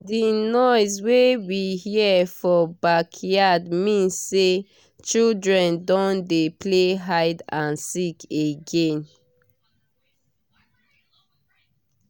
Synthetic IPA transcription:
dinɔɪswewihiɛfɔbakʰjadmĩnsːe | t͡ʃildɹɛ̃ndɔ̃ndepleɦaɪdãnsikeɡẽn

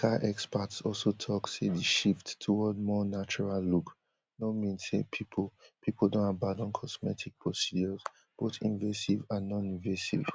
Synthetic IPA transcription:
kʰaʔɛkspatsɔlsotʰɔksedəʃifttʰuwɔd̚mɔnat͡ʃɔɹalluk | nomĩnsepʰipʰopʰipʰol̩dõnhabadɔ̃nkʰɔsmɛtʰik̚pʰɹɔsid͡ʒɔz | b̥oθḭ̃nvesivãnːɔ̃nĩnvesḭv

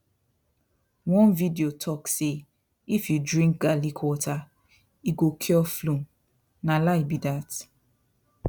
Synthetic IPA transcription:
wɔ̃nvidiotʰɔkse | ifjudɹĩŋk̚ɡalikʰwɔtʰa | iɡokʰjɔflũm | nalaibidat

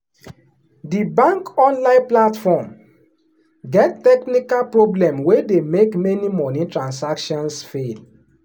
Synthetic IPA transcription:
dibãŋkɔ̃nlãɪ̃nplatfɔm | ɡɛtːɛknikalpɹoblɛ̃mwedemekmɛnimɔnĩtɹãnsakʃɔ̃nsfel

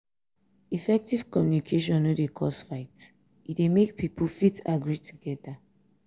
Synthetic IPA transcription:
ifɛk̚tiv̥kɔmjunikʰeʃɔ̃nodekʰɔsfaɪt | itdemek̚pʰipʰəfitaɡɹitʰuɡɛda

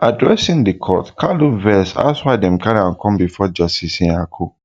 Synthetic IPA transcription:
adɹɛsĩndikʰɔ̰tkʰaluvɛsa̰swaɪdɛ̃mkaɾiãnkʰɔ̃mbifɔd͡ʒastisĩakʰo

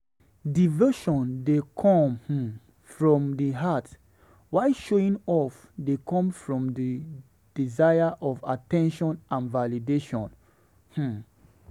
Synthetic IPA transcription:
divoʃɔ̃ndekʰɔ̃mh̩ | fɹɔ̃mdiɦat | waɪʃoĩŋɔf | dekʰɔ̃mfɹɔ̃mdi | d̥izajaʔɔvatɛ̃nʃɔ̃nʔãnvalideʃɔ̃n | h̩

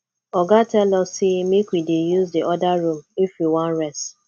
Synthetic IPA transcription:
ɔɡatɛlɔsimikʷidejuzdiʔɔdaɾũmifjiwɔ̃nɹɛst

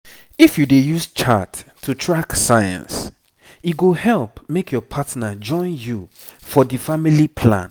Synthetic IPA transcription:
ifjudejust͡ʃʰatʰː | utʰɹaksajã̰ns | iɡohɛlpmekʰjɔpʰatnad͡ʒɔ̃ɪ̃nju | fɔdifamilipʰlã̰n

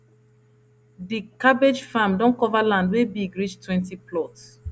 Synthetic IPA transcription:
dikabed͡ʒfãmdɔ̃nkɔvalãndwebiɡɹid͡ʒtʰwɛ̃ntiplɔts

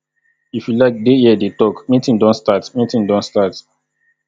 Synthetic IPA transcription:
ifjulaɪk̚dejɛdetɔkmĩtĩŋdɔ̃nstatmĩtĩŋdɔ̃ntstat

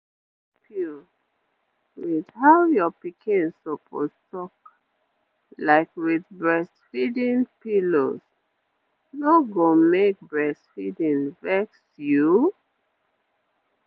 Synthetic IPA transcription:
pʰu | wiðhajɔpikʰĩnsopʰo̰stɔk | laɪkwiðbɹɛstfidĩnpilo̰s | noɡomek̚bɹɛstfidĩnvɛksju

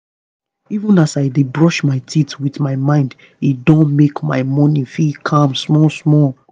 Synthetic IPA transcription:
ivə̃nasaɪdebɹɔʃmaɪtʰitwiθmaɪmãɪ̃nd | idõnmekma̰ɪmɔ̃nifikʰãmsmɔsmɔl

